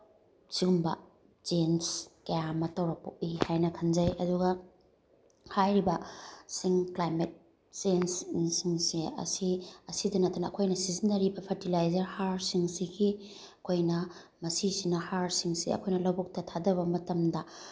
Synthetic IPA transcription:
t͡ʃiɡumbɐ̰ | t͡ʃenskɐjamɐtɐwɾɐpuk̚ihajnɐkʰɐnzɐjɐduɡɐ | hajɾibɐsiŋklajmet̚ | senssiŋsiɐ̰siɐsidɐnɐtʰːɐnɐːkʰojnɐsizinːɐɾibɐpʰɐtilajzɐɾhaɾsiŋsikʰi | ɐkʰojnɐ | mɐsisinɐhaɾsiŋsḭɐ̰kʰojnɐlɐwbuk̚tɐtʰadɐβɐmɐtɐmdɐ

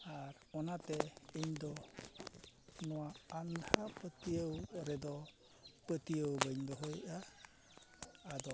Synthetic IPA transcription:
aɾ | ɔnat̪ɛiɲd̪ɔ | nɔwaand̪ʱapət̪ijəwɾɛd̪ɔ | pət̪ijəwbəɲbɔɦɔjʔa | d̪ɔ

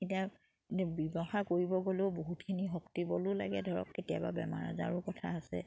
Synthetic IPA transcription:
etia | bibɔxakoɹibɔɡoleʊboɦutkʰiniɦɔktibɔlʊla̰ɡɛdʱɔɹɔ̰kːetijababɛma̰ɹa̰za̰ɹʊkɔtʰaːsɛ̰

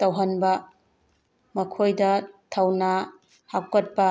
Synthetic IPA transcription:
tɐwɦɐnbɐ | mɐkʰojdɐtʰɐwna | hakːɐt̚pɐ

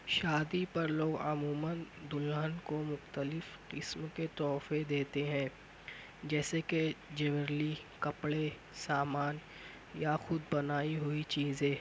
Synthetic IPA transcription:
ʃaːd̪ipɐɾloːɡɐmuːmənd̪ʊlənkomʊxt̪əlɪfqɪsmket̪ɔːfed̪eːt̪eɦɛ̃ː | d͡ʒɛːseked͡ʒɛʋəɾli | kɐpɽe | saːmaːn | jaxʊd̪bɐnaːiɦʊit͡ʃiːzẽː

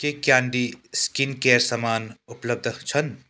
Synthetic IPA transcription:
kekjãːɳɖiskinkeːɾsɐmaːnʊpləb̚d̪ʱt͡ʃʰən

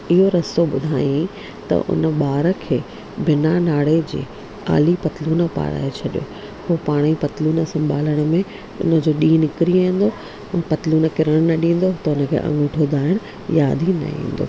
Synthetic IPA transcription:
ɪɦoɾɐsoɓʊd̪ʱaːjĩ | t̪ɐ̰ʔʊ̰nə̆ɓaːɾə̆kʰeː | bɪnanaːɽed͡ʑḛː | a̰ːlipɐt̪luːnəpa̰ːɾa̰ːet͡ɕʰɐɗijo̰ː | hoːpaːɽ̃ipɐt̪luːnəsɐ̃mbʱaːləɽ̃ə̆mẽ | ʊ̰nə̆d͡ʑoːɗiːnɪkɾiaːĩːn̆d̪oː | pɐt̪luːnəkɪɾəɽ̃nɐɗĩːn̆d̪ot̪ɐʊnə̆kʰḛːʔɐ̰̃ŋɡʊʈʰoːd̪aːɪɽ̃ | jaːd̪ʱinɐ̰ḭ̃ːnd̪o̰ː

